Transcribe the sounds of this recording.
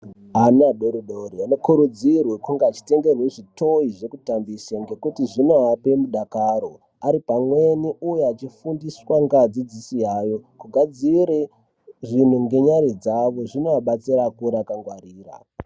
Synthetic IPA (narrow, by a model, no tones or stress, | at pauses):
anaɗoɾuɗoɾiano̞kuɾud͡zirwekuŋɡeːt͡ʃi̥te̞ŋɡe̞rweʐito̞iʐe̞kutambisaŋɡe̞kutiʐinoape̞muɗakaɾo̞ | aɾipamwe̞niujeat͡ʃifundiswaŋɡad͡zid͡zisijajo̞kuɡʱad͡ziɾe | ʐin̤uŋɡe̞ɲaɾid͡zaʋo̞ʐinoaɓat͡siɾakuɾaːkaŋɡwariːra̰